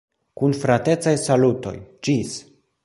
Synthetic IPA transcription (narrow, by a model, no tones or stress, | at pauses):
kunfɾate̞tt͡sajsaluto̞̰jd͡ʒis